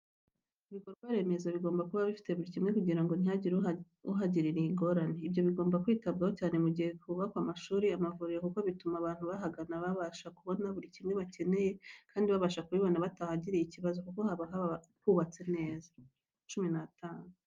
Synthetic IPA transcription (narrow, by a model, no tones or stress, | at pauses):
iβiko̞ɾɡwaɾe̞me̞zaβiɡo̞ːmbakuβaβifi̥te̞βuɾicimŋe̞kuɟiɾaŋɡo̞n̥iaiɾ | uɦaɟiɾiɾiiŋɡo̞ɾane̞ibjo̞βiɡo̞ːmbakwiːtabɡaho̞caːne̞muɟihe̞kuβakwamaʃuːɾiamavuɾiɾekuko̞βitumaβaːn̥huβaɦaɡanaβaβaʃakuβo̞naβuɾicimŋe̞βace̞ne̞je̞kʰaːndiβaβaʃakuβiβonaβatahaɟiɾijiciβazo̞kuko̞haβaɦaa | huːβat͡se̞ne̞ːza | t͡ʃuminatʰaːnu